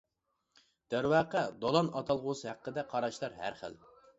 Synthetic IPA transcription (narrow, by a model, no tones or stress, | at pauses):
d̪̥æɾwɑːqəd̪olˠɑnɑt̪ʰɑlˠʁʊsɨhæqːəd̪ɛqʰɑɾɑʃlˠɑɾhæ̰ɾχə̰l